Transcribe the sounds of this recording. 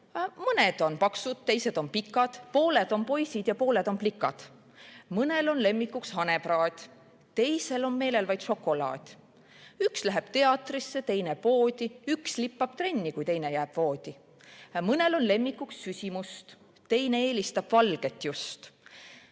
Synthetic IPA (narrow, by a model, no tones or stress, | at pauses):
mɤne̞d̪̥o̞npɑksud̪̥̚t̪e̞jse̞d̪̥o̞npikːˑɑd̪̥po̞ːle̞d̪̥o̞npo̞jsid̪̥jɑpo̞ːle̞d̪̥o̞nplikːɑd̪̥ | mɤne̞lo̞nle̞mːikːukshɑne̞b̥rɑːd̪̥ʲ | t̪e̞jse̞lo̞nme̞ːle̞lvɑjd̪so̞kːˑo̞lɑ̰ːd̪̥ʲ | ykslæɦeb̥t̪e̞ɑt̪ˑrisːe̞t̪e̞jne̞po̞ːd̪ʲiykslipːɑb̥̚t̪re̞nʲːikujt̪ejne̞jæːb̥vo̞ːd̪̥ʲi | mɤne̞lo̞nle̞mːikːˑuksːysʲimust̪ | t̪e̞jne̞eːlist̪ɑb̥vɑlɡ̥e̞t̪ːˑjust̪